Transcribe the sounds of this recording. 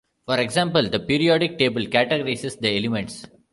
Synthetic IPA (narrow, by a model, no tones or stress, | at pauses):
fɔɾeɡzãːmpəld̪ɐpiːɾiɔːɖɪk̚ʈeːbəlkæʈeɡəɾaɪsesd̪əelɪmẽɳʈs